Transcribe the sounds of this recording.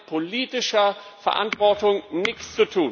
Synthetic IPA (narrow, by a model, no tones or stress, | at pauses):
pʰoliːtɪʃɐ | fɛɐʔa̰ntv̥ɔɐtʊŋnɪçt͡st͡sutʰuː